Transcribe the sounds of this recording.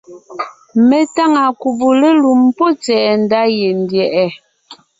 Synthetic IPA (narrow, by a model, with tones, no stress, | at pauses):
me˨ta˦˨ŋa˨ku˨bu˨le˦lu˨mpɔ˦t͡sɛ˨ʔɛ˨n̩˦da˦je˨n˨djɛ˨ʔɛ˨